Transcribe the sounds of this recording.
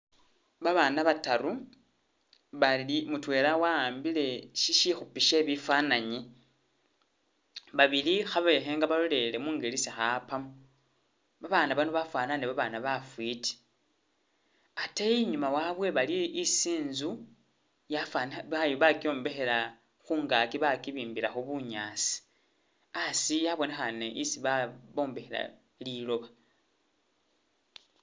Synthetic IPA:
βaβaːnaβataɾu | βalimutwe̞ːlawaːmbile̞ʃiʃixupiʃe̞βifanaɲi | βaβilixaβe̞xe̞ŋɡaβalole̞le̞muːŋɡelisixapamu | βaβaːnaβanoβafwaːnaneβaβaːnaβafwiti̥ | atajiɲumawaβwe̞βaliisiːnzu | jafanβajoβakio̞ːmbe̞xe̞ɾa | xuːŋɡaːkiβakiβiːmbiɾaxuβuɲaːsi̥ | asijaβo̞ne̞xaneʔisiβaβo̞ːmbe̞xeɾa̰ | lilo̞βa

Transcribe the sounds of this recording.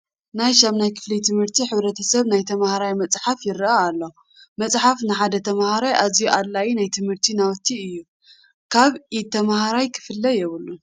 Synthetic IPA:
najʃamnajkʰɨ̥flit̪ʰɨmhɨɾt̪ʰiħɨβɾɐt̪ʰɐsɐβnajt̪ʰɐmahaɾajmɐt͡sʼħafjɪɾɨaːlːo̞ | mɐt͡sʼħafnɨħad̪ɐt̪ʰɐmhaɾajʔazijuʔalːajinajt̪ʰɨmhɨɾt̪ʰinawt̪ʰiɨjːu | kʰaβit̪ʰːɐmahaɾajkʰɨ̥fɨlːɐjɛβɨlːu

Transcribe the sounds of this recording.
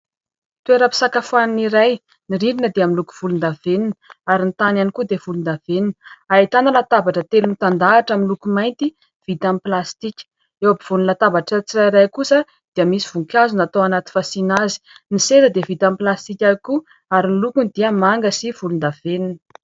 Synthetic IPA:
t̪ueɾəpi̥sakafaniniɾaj | niɾiɾinəd̪eaminluku̥v̥ulund̪aveninəaɾinit̪ananikud̪ev̥ulund̪aveninəait̪anəlat̪abaʈ͡ʂət̪elunt̪and̪aːʈ͡ʂaminlukumajnt̪i | v̥it̪amiplast̪ikʲə̥ | ewabiv̥unlat̪avaʈ͡ʂət͡siɾaiɾajkusə | d̪̥iəmisiv̥uŋkʲazunat̪oanat̪i̥fasinazi̥nisezəd̪evit̪amplast̪ikʲaiku | aɾinilukunid̪iəmaŋɡəsivulund̪aveninə

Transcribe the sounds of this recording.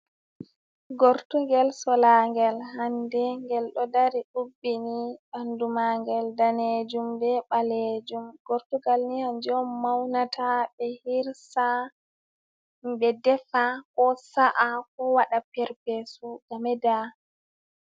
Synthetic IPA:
ɡoɾtuŋɡɛlsɔlaŋɡɛlhandɛŋɡɛlɗɔdaɾiɗubːiniɓandumaŋɡɛldaned͡ʒumbɛɓaled͡ʒumɡ̥oɾtuɡalnihand͡ʒɔmːawnatʰabɛhiɾsa | mbɛdɛfakɔsaʔakɔwaɗapɛɾpɛsuɡamɛda

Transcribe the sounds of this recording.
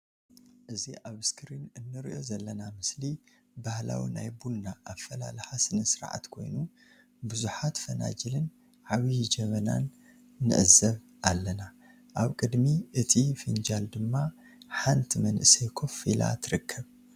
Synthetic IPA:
ʔɨziʔaβskʰɨɾinɨnːɨɾiʔo̞zɐlːɐnamɨsli | bahla̰wḭnajbulnaʔafɐla̰lɨhasɨnɐsɨɾʕa̰t̪kʰo̞̰jnu | bɨzuħat̪fɐna̰d͡ʒilɨn | ʕaβid͡ʒɐmɐna̰nː | ɨ̰ʔɨzɐβ | ʔalːɐna | ʔaβkʼɨd̪miʔɨt̪ʰʼifɨnd͡ʒald̪ɨmːa | ħant̪ʰimɐnʔɨsekʰo̞fila̰t̪ʰɨɾɨkʰːɐβ

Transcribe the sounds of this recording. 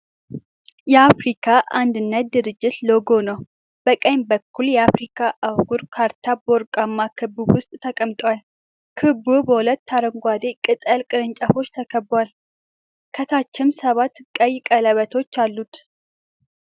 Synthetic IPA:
jɛafɾikʰaʔand̪ɨnːət̪̚d̪ɨɾɨd͡ʒːɪt̪lo̞ɡo̞nəw | b̥əkʼəjmbəkʰːuljɛafɾikʰaʔawɡuɾkʰaɾt̪ʰabo̞ɾkʼamːakʰɨbuwʊst̪ʼt̪ʰəkʼəmt̪ʼwal | kʰɨbubəhulət̪ːaɾəŋɡʷad̪ekʼɨt̪ʼəlkʼɨɾɨɲt͡ʃʼafo̞t͡ʃːt̪ʰəkʰəbːwal | kʰət̪ʰat͡ʃːɪmsəβat̪ːkʼəjɪkʼələβət̪ʰo̞t͡ʃːalːut̪

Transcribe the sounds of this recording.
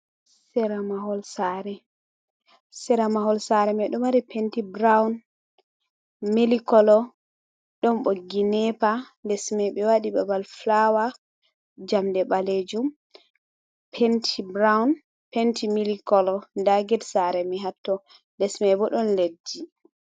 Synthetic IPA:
sɛɾamaɦɔlsaɾɛ | sɛɾamahɔlsaɾɛmɛɗɔmwaɾipentibɾawn | milikɔlɔ | ɗɔnɓoɡinɛpandɛsmɛjɓɛwaɗibabalflawa | d͡ʒamdɛɓaled͡ʒum | pʰentʰibɾawn | pentʰimilikɔlɔndaɡɛdsaɾɛmiɦatːɔ | ndɛsmɛjbɔɗɔnledːi

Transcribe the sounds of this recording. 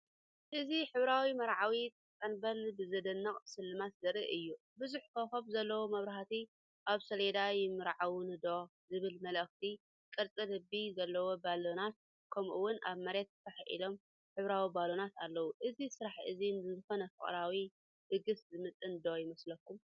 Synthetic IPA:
ʔɨziħɨβɾawimɐɾʕawit̪ʼt̪ʼɐnbɐlbɨzɐd̪ɐnːɐkʼsɨlːɨmat̪zɐɾḭʔɨjːu | bɨzuħkʰɐxoβzɐlːɐwomɐβɾahat̪i | ʔaβsɐled̪ajɪmɨɾʕawunɨd̪o | zɨβɨlmɐlɐxt̪ʰi | kʼɨɾt͡sʼɨlɨbizɐlːɐwo̞balo̞nat̪̚ | kʰɐmʔuwːʊnʔaβmɐɾe̞t̪̚t̪ʰɐħʔḭlo̞m | ħɨβɾawibalo̞nat̪alːɐwuʔɨzisɨɾaħʔɨzinɨzɨxonɐfɨ̰χʼɾawi | dɨɡɨszɨmɨt̪ʼːɨnd̪ojɪmɐslɐkːum

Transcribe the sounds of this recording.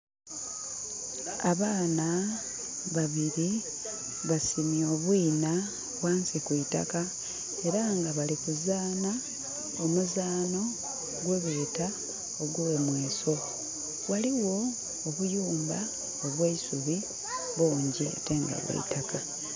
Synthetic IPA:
aβaːna | βaβiɾi | βasimjo̞ːβwiːna | βwaːnsikuita̰ka | e̞ɾaŋɡaβalikuzaːna | omuzaːno̞ | ɡweβeːta | oɡule̞mwe̞ːso̞ | waliwo̞ː | βujuːmba | oβweisuβi | βuːɲɟiḛteːŋɡa̰βwḛḭtaka

